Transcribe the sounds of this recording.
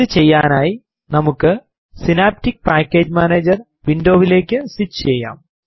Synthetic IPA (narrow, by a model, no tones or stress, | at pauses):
ɨt͡ɕe̞jːaːnaːji | nɐmukːɨ | sinaːp̚tikːpaːkʲːe̞ːd͡ʑmaːneːd͡ʑɐr | ʋindo̞ːʋile̞ːkʲːɨsitːt͡ɕejːa̰ːm